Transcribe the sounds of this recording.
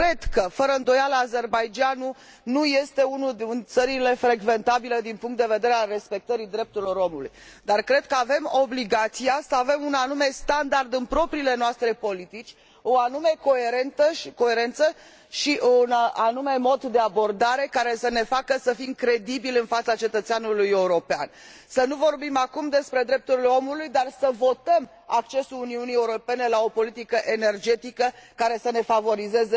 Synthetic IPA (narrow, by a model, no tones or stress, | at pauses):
kɾe̞d̪kəfəɾəɨnd̪o̞jaləaze̞rbajd͡ʒanu | nuje̞st̪e̞unuunt̪səɾile̞fɾe̞ɡve̞nt̪abiləd̪inpuŋkt̪d̪eve̞d̪e̞ɾealre̞spe̞k̚t̪əɾid̪ɾe̞p̚t̪uɾilo̞ɾo̞mulṵjd̪arkɾe̞d̪̚kəave̞mo̞bliɡat̪siasəave̞munanume̞st̪and̪ard̪ɨnpɾo̞pɾiːle̞noast̪ɾe̞po̞lit̪it͡ʃʲ | oanume̞ko̞e̞ɾe̞nt̪əʃko̞e̞ɾe̞nt̪sə | ʃiʔunanume̞mo̞d̪d̪e̞abo̞rd̪aɾe̞kaɾe̞səne̞fakəsəfimkɾe̞d̪ibilɨnfat̪sat͡ʃe̞t̪ət̪seanulujeuɾo̞pea̰n | sənuvo̞rbimakumd̪e̞spɾe̞d̪ɾe̞p̚t̪uɾileo̞mulujd̪arsəvo̞t̪əm | ak̚t͡ʃe̞suluniunieuɾo̞pe̞ne̞lao̞po̞lit̪ikəʔe̞ne̞rd͡ʒe̞t̪ikəkaɾe̞səne̞favo̞ɾize̞ze